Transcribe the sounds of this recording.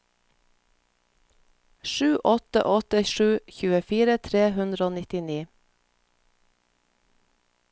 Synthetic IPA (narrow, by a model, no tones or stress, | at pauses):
ʃʉːʔɔt̪ə̰ʔɔt̪əʃʉːçʉːəfiːɾət̪ʰɾeːhʉnd̪ɾəoːnɪt̪ɪniː